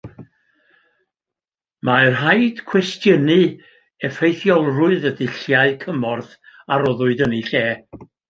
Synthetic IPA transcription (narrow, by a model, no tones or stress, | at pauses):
marɦajd̥kʰw̥ɛstjənɨ | ɛfejθjɔlˠrʊɨðədɪɬjaɨkʰəmɔrθ | aɾɔðʊɨdəniɬeː